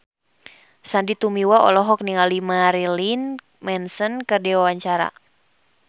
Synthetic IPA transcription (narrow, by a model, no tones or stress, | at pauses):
sandit̪umiwaɔ̰lɔɦɔk̚niŋalimaɾilin | mɛnsənkɨrdiwawaɲt͡ʃaɾa̰